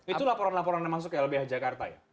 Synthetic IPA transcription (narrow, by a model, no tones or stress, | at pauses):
it̪ulapoɾanlapoɾanamas̬ʊkjaləbɪhad͡ʒakart̪aja